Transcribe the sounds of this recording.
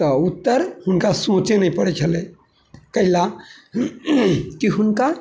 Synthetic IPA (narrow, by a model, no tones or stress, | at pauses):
t̪ɔut̪ːəɾhunkasõt͡ʃenəipəɽɛt͡ʃʰəle | kəɦila | kiɦunka